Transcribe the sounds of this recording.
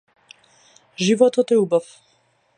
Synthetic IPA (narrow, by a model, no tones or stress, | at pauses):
ʒivɔt̪ɔt̪ɛubaf